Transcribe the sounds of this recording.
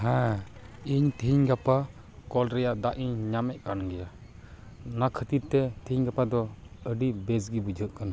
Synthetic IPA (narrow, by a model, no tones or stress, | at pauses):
ɦɛ̃ | iɲt̪ʰiɲɡapa | kɔlɾɛjaʔd̪aʔiɲɲamɛʔ̚kanɡɛja | nakʰət̪iɾt̪ɛt̪ʰiɲɡapad̪ɔəɖibɛsɡibud͡ʒʱəʔkana